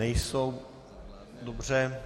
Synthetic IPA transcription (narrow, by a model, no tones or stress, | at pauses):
ɛjsow | dobr̝ɛ